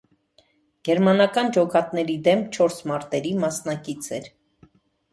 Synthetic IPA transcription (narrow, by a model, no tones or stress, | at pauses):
ɡ̥ɛɾmɑnɑkɑnd͡ʒɔkɑt̪nɛɾid̪ɛmt͡ʃʰɔɾsmɑɾt̪ɛɾimɑsnɑkit͡sʰɛɾ